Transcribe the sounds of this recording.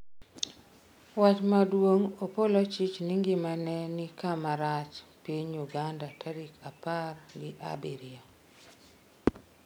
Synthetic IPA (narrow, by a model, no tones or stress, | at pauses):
wat͡ʃmadwoŋopolɔt͡ʃit͡ʃnɪŋɡɪmanɛnɪkamaɾat͡ʃpieɲuɡandatʰaɾikaparɡɪʔa̰biɾia